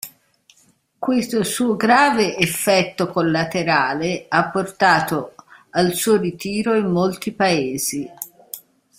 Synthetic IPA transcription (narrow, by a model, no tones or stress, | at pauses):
kwest̪osuːoɡɾaːveʔefːɛt̪ːokolːat̪eɾaːleapːort̪aːt̪oalsuːorit̪iːɾoimːolt̪ipaeːzi